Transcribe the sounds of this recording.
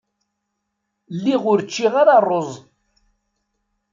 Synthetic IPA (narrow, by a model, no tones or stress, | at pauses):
lːiʁʊɾt͡ʃːiʁaɾɑrˤːozˤ